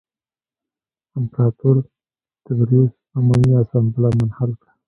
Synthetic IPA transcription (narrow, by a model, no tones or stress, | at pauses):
ɪmpɾɑt̪uɾ | t̪abɾiz | amaniasɑnbɪlɑmanhalka